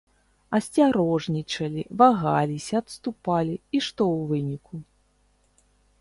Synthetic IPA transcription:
ɐsʲt͡sʲaɾɔʐnʲit͡ʂɐlʲivaɣalʲisʲɐːt̪st̪upalʲiiʂt̪ɔwvɨnʲikʰu

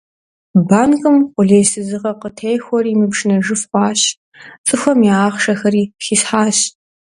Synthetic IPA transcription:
baːnkʼɨmqʷʊɮeːsɨzɨʁɐqətʰejxʷɔriːmɨpʂnɐʒɨfqʷʼɑːɕ | t͡sʼɨxʷɔmjaːχʂɐxɐɾiːxiːsħaːɕ

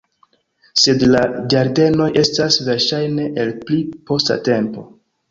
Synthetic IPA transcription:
se̞dlad͡ʒaɾde̞no̞jʔe̞stasve̞ɾʃajne̞ʔelplipo̞sta̰te̞mpo̞̰

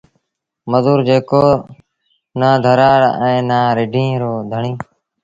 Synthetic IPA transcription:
məzuːɾd͡ʒeːkoː | naːd̪ʱəɾaːɽɛ̃ːnaːɾɪɖʱĩːɾoːd̪ʱəɳĩː

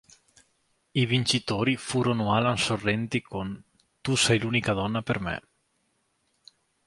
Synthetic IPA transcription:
ivint͡ʃit̪oːɾifuːɾonoaːlansorːɛnt̪ikon | t̪usɛjluːnikad̪ɔnːapermḛ

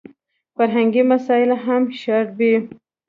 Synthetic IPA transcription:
faɾɦaŋɡimasɑjɪlaɦamʃaɾbi

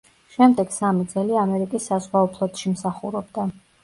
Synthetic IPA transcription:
ʃɛmd̪ɛɡ̥samid̪zɛliamɛɾikʼisːazʁwaɔpʰlˠɔt̪ʃimsaχuɾɔbd̪a

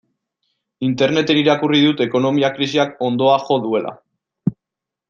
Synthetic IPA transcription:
int̪e̞ɾne̞t̪e̞niɾakuriðut̪e̞ko̞no̞miakɾisiako̞nd̪o̞axo̞ðue̞lʔa̰

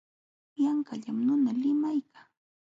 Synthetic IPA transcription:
jaŋkaʎamnʊnalɪmajkḁː

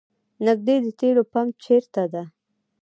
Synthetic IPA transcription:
nɪɡ̚d̪ed̪ət̪eɽopamt͡ʃeɾt̪ad̪a

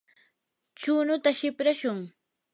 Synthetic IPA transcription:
t͡ʃʊːnʊt̪aʃɪpɾaʃʊŋ

